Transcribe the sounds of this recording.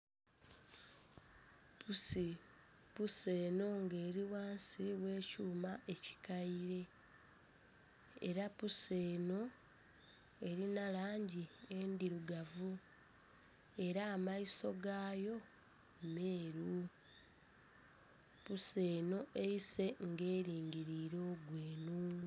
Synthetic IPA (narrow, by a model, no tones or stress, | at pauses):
pʰusipuse̞ːno̞ŋɡe̞ːɾiwaːnsiwe̞ːcuːmaʔe̞ci̥kaiɾe̞ | ɾapuse̞ːno̞ | e̞ɾinalaːɲɟiendiɾuɡavu | e̞ɾaːmaiso̞ɡaːjo̞ | me̞ːɾu | puse̞ːno̞ʔe̞ise̞ŋɡe̞ːɾiːŋɟiɾiɾo̞ːɡweːnu